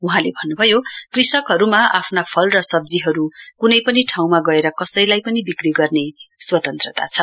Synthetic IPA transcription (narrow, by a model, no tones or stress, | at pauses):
uɦãlebʱʌnːubʱʌjokrisʌkɦʌɾumaʔapʰnapʰʌlrʌsʌb̚d͡ziɦʌɾukunʌjpʌniʈʰaw̃maɡʌeɾʌkʌsʌjlajpʌnibikriɡʌrneswʌt̪ʌnt̪rʌt̪a̰t͡sʰʌ